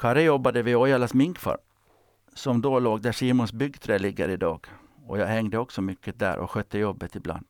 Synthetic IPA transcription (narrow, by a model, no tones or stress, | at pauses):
kʰɑɾəjɔbːad̪əvɪɔjɑlasmɪŋkfa̰ɾ | sɔmd̪oːloːɡd̪æʂiːmʊnsbʏɡːt̪ʰɾeːlɪɡːə̰ɾɪd̪ɑːɡ̥ | ɔjɑːhɛŋd̪əɔksɔmʏkʰːəd̪æ̰ɾʔɔ̰ɧœt̪ːəjɔbːət̪ɪbla̰nd̪̥